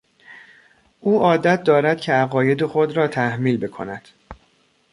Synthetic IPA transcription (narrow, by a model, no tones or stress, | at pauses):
ʔuːʔɒːd̪æt̪̚ʰd̪ɒːɾæd̪̥̚cʰeæɣɒːje̞d̪exo̞d̪ɾɒːt̪ʰæhmiːlbe̞kʰo̞̰næd̪̥